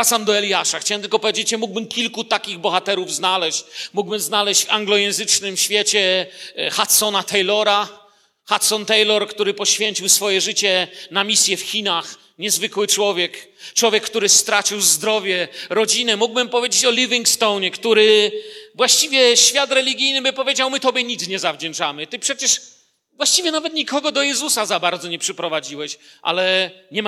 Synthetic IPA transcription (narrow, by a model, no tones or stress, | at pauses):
at̪samd̪ɔɛlʲjaʂaxt͡ɕawɛmt̪ɘlkɔpɔvʲjed͡ʑet͡ɕɛmuɡbɘmkʲilkut̪akʲiɣbɔxat̪ɛɾuvznalɛɕt͡ɕmuɡ̚bɘmznalɛɕt͡ɕaŋɡlɔjɛ̃w̃zɘt͡ʂnɘmɕfʲjet͡ɕɛxat̪sɔnat̪ɛjlɔɾa | xat̪sɔnt̪ɛjlɔɾkt̪uɾɘpɔɕfʲjeɲt͡ɕiwsfɔjɛʐɘt͡ɕɛnamʲisʲjɛfxʲinax | ɲɛzvɘkwɘt͡ʂwɔvʲjɛkt͡ʂwɔvʲjɛkːt̪uɾɘst̪ɾat͡ɕiwzd̪ɾɔvʲjɛɾɔd͡ʑinɛmuɡ̚bɘmpɔvʲjed͡ʑet͡ɕɔlʲivʲiŋɡkst̪ɔwɲɛkt̪uɾɪvwaɕt͡ɕivʲjɛɕfʲjat̪ɾɛlʲiɡʲijnɘbɘpɔvʲjed͡ʑawmɘt̪ɔbʲjɛɲid̪sɲɛzavd͡ʑɛnt͡ʂamɘt̪ɘpʂɛt͡ɕɛʂ | vwaɕt͡ɕivʲjɛnavɛt̪ɲikɔɡɔd̪ɔjɛzusazabaɾd̪zɔɲɛpʂɛpɾɔvad͡ʑiwɛɕʔa̰lɛɲɛm